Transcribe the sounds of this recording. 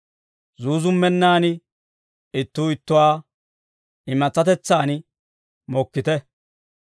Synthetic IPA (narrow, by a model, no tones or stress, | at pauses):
zuːzʊmːɛnːaːnɪ | ɪt̪ːuːɪt̪ːʊwaː | ɪmɐt͡sːɐt̪ɛt͡sːaːn | mɔkːɪt̪ɛ